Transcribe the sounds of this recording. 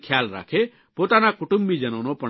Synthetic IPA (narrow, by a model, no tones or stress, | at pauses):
kʰjaːlɾa̰ːkʰe | poːt̪anãkʊʈʊ̃mbid͡ʒɐñoːnõpɐ